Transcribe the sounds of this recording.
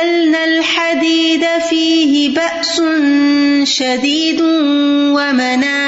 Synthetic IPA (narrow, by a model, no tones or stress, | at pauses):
alnalħad̪iːd̪afiːɦɪbaʔsʊnʃad̪iːd̪ | wamanaː